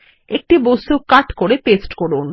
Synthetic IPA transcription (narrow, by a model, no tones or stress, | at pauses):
ek̚ʈibosukaʈkoɾepesʈkɔɾun